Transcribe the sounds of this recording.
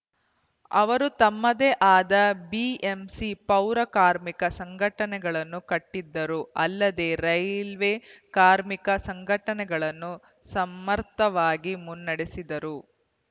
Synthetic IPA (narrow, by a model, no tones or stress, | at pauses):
ɐ̰ʋɐɾut̪ɐmːɐd̪eːʔaːd̪ɐbiemsipɐwɾɐkaːɾmikɐsɐŋɡʱɐʈɐnɛɡɐɭɐnːukɐʈːid̪ːɐɾuɐlːɐd̪eːɾɐjlʋekaːɾmikɐsɐŋɡʱɐʈɐnɛɡɐɭɐnːu | sɐmːɐɾt̪ɐʋaːɡimunːɐɽesid̪ɐɾu